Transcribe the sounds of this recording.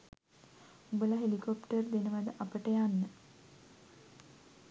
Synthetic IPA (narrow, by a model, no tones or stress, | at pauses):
ubəlaɦelikopʈərd̪enəʋad̪əʔapəʈəjanːə